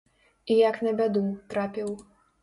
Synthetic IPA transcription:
ijaknɐbʲad̪ut̪ɾapʲiw

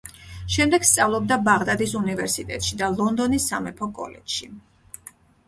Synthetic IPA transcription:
ʃɛmd̪ɛɡst̪sʼavlˠɔb̚d̪abaʁd̪ad̪isunivɛɾsit̪ʼɛt̪ʼʃid̪alˠɔnd̪ɔnisːa̰mɛpʰɔkʼɔ̰lɛ̰dʃi

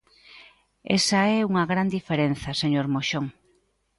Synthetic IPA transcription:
ḛsɐɛuŋɐɣɾand̪ifeɾen̟θɐseɲoɾmoʃoŋ

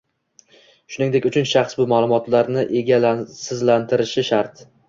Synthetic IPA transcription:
ʃʊnɪŋd̪e̞kʲʊt͡ʃʰʊnʃɑχsbʊmaːlˠʊmɒt̪laɾnɪʔe̞ɡʲalsɪzlant̪ʰɪɾɪʃɪʃaɾt̪

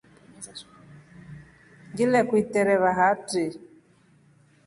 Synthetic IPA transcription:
ŋɡilɛkwitɛɾɛβaɦati

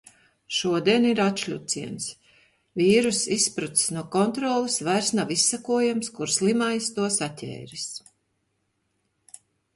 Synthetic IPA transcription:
ʃuɔd̪iɛniɾat̪ʃlʲut̪siɛns | vʲiːɾusispɾut̪snuɔkɔnt̪ɾɔːlˠusvajɾsnavisːakuɔjamskuɾslˠimajst̪uɔsatʰʲɛ̰ːɾis

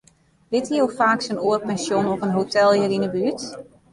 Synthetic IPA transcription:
dɪtiowfaːksənoərpɛnsjonɔpənɦotʰɛlˠjərinəbyət

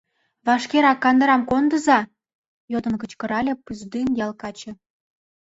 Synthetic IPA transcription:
βɑʃkeɾɑkːɑnd̪ə̆ɾɑmkond̪ə̆zɑ | jod̪ɤ̆nkə̆t͡ɕkɤ̆ɾɑlʲĕpyzd̪ynjɑlˠkɑt͡ɕĕ

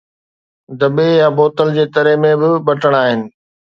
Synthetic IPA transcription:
d̪ɐbejaboːt̪əld͡ʑeːt̪ɐɾemẽbɪɓɐʈəɽ̃aːɦɪnɪ̆

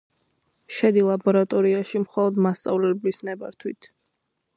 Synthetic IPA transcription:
ʃɛd̪ilˠabɔɾat̪ʼɔɾiaʃimχɔlˠɔd̪mast̪sʼa̰vlɛblisnɛba̰ɾt̪ʰwḭt̪ʰ

